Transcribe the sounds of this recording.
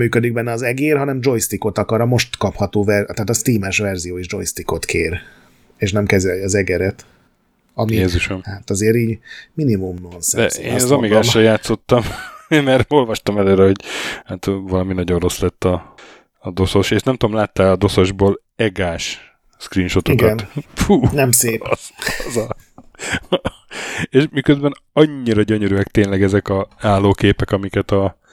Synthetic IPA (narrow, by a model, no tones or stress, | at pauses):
myːkød̪iɡ̚bɛnːɛɒːzɛɡeːrɦɒnɛmd͡ʒo̞jst̪iko̞t̪ɒkɒɾɒmo̞ʃt̪kɒphɒt̪oːvɛrt̪aːt̪ɒst̪iːmɛʃvɛrzijoːeʒd͡ʒo̞jst̪iko̞t̪keːr | eːʃnɛmkɛzɛlɒzɛɡɛɾɛt̪ | ɒmieːzuʃɛmhat̪ɒzeːɾiːɟminimumno̞nsɛd̪ɛ̰ḛːnɒzɒmiɡaːʃɒjaːt̪so̞t̪ːɒmmɛɾo̞lvɒʃt̪ɒmɛløːɾɛho̞ɟhat̪vɒlɒminɒɟo̞rro̞slɛt̪ːɒː | d̪o̞so̞ʃeːʃnɛmt̪uomlaːt̪ːalɒd̪o̞so̞ʒboːl | ɛɡaːʃ | skrinʃo̞t̪oikɒnt̪fuːnɛmseːpɒzɒ | eːʃmikøzbɛn | ɒɲːiɾɒɟøɲøɾyɛkt̪eːnlɛɡɛzɛkɒaːlːoːkeːpɛkɒmikɛt̪ɒ